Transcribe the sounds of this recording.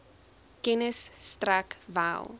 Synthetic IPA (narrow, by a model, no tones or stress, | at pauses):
kɛnəsːtrækvæ̰lˠ